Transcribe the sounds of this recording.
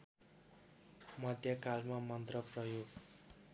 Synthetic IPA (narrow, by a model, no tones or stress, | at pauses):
mʌd̪ʱjʌkalmamʌnt̪rʌprʌjoɡ